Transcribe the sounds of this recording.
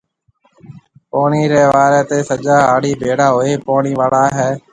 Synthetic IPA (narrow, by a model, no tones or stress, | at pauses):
poːɳiːɾeːʋaːɾeːt̪eːsəd͡ʒaːaːɽiːbʱeːɽaːɦoːeːpoːɳiːʋaːɭaːɦɛː